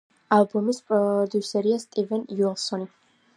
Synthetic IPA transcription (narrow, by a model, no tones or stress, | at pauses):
alˠbɔmispʼɾɔd̪usɛɾiast̪ʼivɛnjuɛlˠsɔni